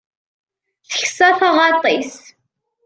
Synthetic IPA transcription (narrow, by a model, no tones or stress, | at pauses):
θə̥çsæθɑʁɑt̪ˤis